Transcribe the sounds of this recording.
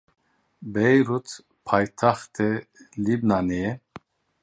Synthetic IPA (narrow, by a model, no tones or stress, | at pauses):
bɛjɾut̪ʰ | pʰajt̪ʰaχt̪ʰɛlibnanɛɛ